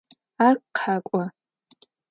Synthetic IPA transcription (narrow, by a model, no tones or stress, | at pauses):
arqqħakʷʼa